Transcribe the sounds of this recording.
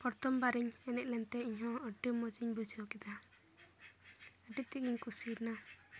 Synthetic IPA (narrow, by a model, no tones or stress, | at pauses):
pɔɾt̪ɔmbaɾiɲɛnɛʔ̚lɛnt̪ɛiɲɦɔ̃əɖimɔd͡ʒiɲbud͡ʒiɔkid̪a | əɖit̚t̪iɡiɲkusiɾna